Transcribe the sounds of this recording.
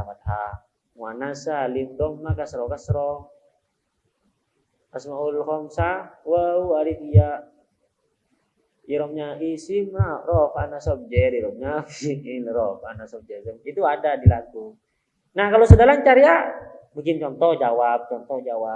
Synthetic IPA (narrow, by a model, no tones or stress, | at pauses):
apat̪̚ha | ŋwanasalimd̪ɔŋmakasɾɔkasɾɔ | asmaullhɔmsawəuaɾik̪ijaʔ | iɾɔmɲaisimarɔfanasɔp̚d͡ʒɛɾiɾɔmɲafsiinɾɔfa̰nasɔp̚d͡ʒɛsɛmit̪uadadilaku | nahkalosadalaɲt͡ʃaɾia | mukɪnt͡ʃɔnt̪ɔhd͡ʒawap̚t͡ʃɔnt̪ɔhd͡ʒawa